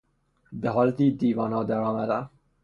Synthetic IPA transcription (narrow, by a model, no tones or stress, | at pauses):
beɦɒːlet̪iːd̪iːvɒːnhɒːd̪æɾɒːmæd̪æ